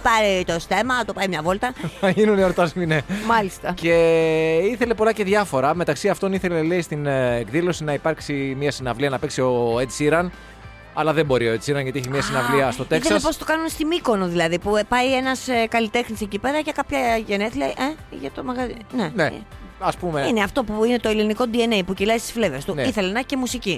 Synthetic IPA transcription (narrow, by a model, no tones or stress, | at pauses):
pɐɾit̪o̞st̪e̞mɐt̪o̞pɐimɲɐvo̞lt̪ɐɐʝinunioɾt̪ɐzminemɐlist̪ɐce̞ | iθe̞le̞po̞lɐce̞ðʝɐfo̞ɾɐme̞t̪ɐksiɐft̪o̞niθe̞leleist̪ineɡðilo̞sinɐipɐɾksimiɐsinɐvliɐnɐpe̞ksio̞et̪siɾɐn | ɐlɐðebo̞ɾioet̪siɾɐnʝɐt̪ieçimɲiɐsinɐvliɐst̪o̞t̪ekseɐsepost̪okɐnunst̪imiko̞noðilɐðipupɐje̞nɐsekɐlit̪e̞xnise̞cipe̞ɾɐcekɐpçɐʝeneθilejʔeʝɐt̪omɐɣɐzinenḛɐspumeineɐft̪o̞puine̞t̪o̞iliniko̞d̪ienejpucilɐist̪i̥sflevest̪uniθe̞lenɐçcemusici